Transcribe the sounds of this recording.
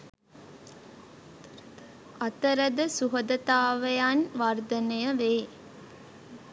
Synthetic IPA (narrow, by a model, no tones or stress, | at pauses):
ɐt̪ɐɾɐd̪ɐsuɦɐd̪ɐt̪aːʋɐjaːnʋaːɾd̪ɐnɐjɐʋeː